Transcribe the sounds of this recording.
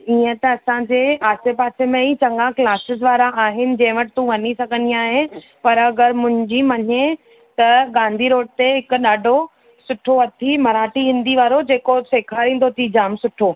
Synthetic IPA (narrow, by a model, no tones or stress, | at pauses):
iːə̃t̪ɐːsãd͡ʑeːaːsepaːsemẽit͡ɕɐ̃ŋɡãklaːsɪzd̪ʋaːɾaʔaːɦɪnɪ̆d͡ʑɐ̃ɦɪ̃ʋɐʈɪt̪ũʋɐɲisɐɡʱə̃nd̪iaːɦe | pɐɾɐɡəɾmʊ̃ɦɪ̃ɲd͡ʑimɐɲe | t̪ɐɡãːnd̪ʱiɾoːʈ̚t̪eɦɪkɗaːɖʱo | sʊʈʰoɐt̪ʰimɐɾaːʈiɦĩːnd̪iʋaːɾod͡ʑeːkoseːkʰaːɾĩːn̆d̪ot̪ʰid͡ʑaːmsʊʈʰoː